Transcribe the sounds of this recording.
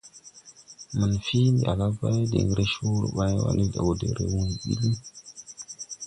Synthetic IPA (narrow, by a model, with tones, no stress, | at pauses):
mə˨nfi˦ni˨a˨la˦va˦jdḛ˨ŋɡɾe˦ʃu˦ɾṵ˨ɓa˦jwa̰˨ni˦da̰˨wo˨dḛ˨ɾḛ˨wu˦ŋ˨ɓḭ˦li˦